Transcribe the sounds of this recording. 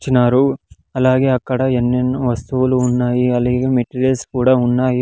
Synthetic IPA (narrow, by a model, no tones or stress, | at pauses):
t͡ʃinaːɾu | ɐlaːɡeɐkːɐɽɐenːenʋɐst̪uʋɐluunːaːjiɐlːiɡemeʈːileskuːɽaunːaːji